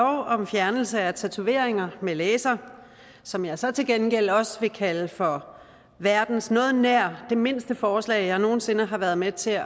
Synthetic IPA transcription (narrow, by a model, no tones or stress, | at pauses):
ɒʊɒ̽mfjæɐnl̩səæt͡sʰæt͡sʰue̝ɐ̰eŋɐmeleːsɐ | sɒ̽mjɑ̈ɪsɒ̽t͡sʰe̝lɡ̥enɡ̥el̰ɒ̽sʋe̝kʰæləfɒ̽ | ʋæɐd̥n̩snɔ̽ːð̩ˠnæɐ̰d̥e̝me̝n̰sd̥əfɒːslɛ̰ɪjɑ̈ɪno̝ːn̩se̝nəɦɑ̈ʋæɐð̞̩ˠmet͡sʰe̝